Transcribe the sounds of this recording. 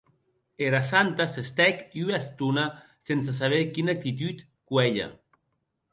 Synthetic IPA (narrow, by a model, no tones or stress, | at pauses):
eɾasant̪asest̪ɛkiuast̪una | sens̬as̬aβ̞ekinak̚t̪it̪̬yt̪ | kwɛʎa̰